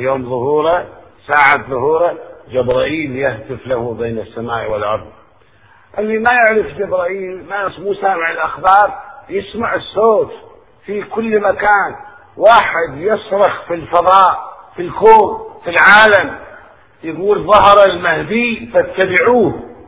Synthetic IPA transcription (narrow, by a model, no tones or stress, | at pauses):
joːmðˤʊhuːɾɑsaːʕat̪ðˤʊhuːɾˤɑd͡ʒabɾˤɑːʔiːljahd̪ɪflahubeːnɪsːamaːʔwɪlʔɑ̰ɾˤðˤ | ʔɪlːimajaʕɾɪfd͡ʒabɾɑʔiːlmasmuːsaːmɪʕɪlʔaxbɑːɾˤjɪsmaʕɪsːoːt̪ | fikʊlːmakaːn | waːħɪd̪jɪsˤɾˤɑxfilfɑðˤɑːʔfilkoːnfilʕaːlam | jaɡuːlðˤːɑhɾˤalmahd̪iːfat̪ːabɪʕuːh